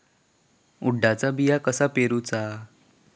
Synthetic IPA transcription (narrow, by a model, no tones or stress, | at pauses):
uɖːat͡sabijakəsapeɾut͡sa